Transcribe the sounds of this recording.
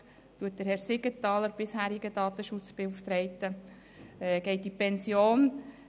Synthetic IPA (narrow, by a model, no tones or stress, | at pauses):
tuːət̚d̥əɾhɛɾsɪɡətɑːləɾb̥ɪshæːɾɪɡədɑːt̪əʃʊt͡sb̥euft̪ɾɛɪt̪ə | ɛɡ̥ɛɪt̚dipɛnsjoːn